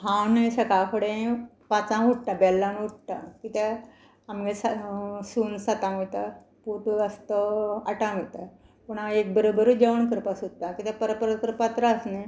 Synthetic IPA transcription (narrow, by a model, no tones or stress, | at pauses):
ɦãwneɕəkafəɽẽ | pat͡sãuʈ̚ʈabɛlːãnuʈ̚ʈakit̪ɛ | amɡesasuːnsat̪ãit̪a | puʈəst̪əaʈãmit̪a | puɳaek̚bəɾobəɾud͡ʑəʋəɳkəɾpasut̪akit̪ɛpəɾəpəɾət̪̚kəɾpat̪ɾaəsne